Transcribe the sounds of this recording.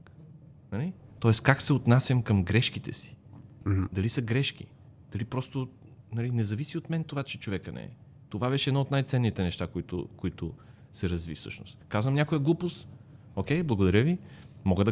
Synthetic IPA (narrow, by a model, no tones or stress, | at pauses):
nɐlɛt̪ɔɛskaksɛot̪nasʲjəmkəmɡɾɛʃkit̪ɛsi̥ | d̪ɐlisɐɡɾɛʃk̟ḭ | d̪̥ɐlipɾɔst̪ʊ | nɐlinɛzɐvisiot̪mɛnt̪ovat͡ʃɛt͡ʃovɛkənɛ̰ɛ̰ | t̪ovabɛʃɛd̪noɔot̪najt̪sɛnːit̪ɛnɛʃt̪akoit̪ʊ̰koit̪ʊ | sɛɾɐzvifsɤ̰ʃnʊ̰st̪kazvəmnʲakojəɡlˠupos | okʲɛjblˠɡod̪ɐɾʲjəvimɔɡəd̪ɐ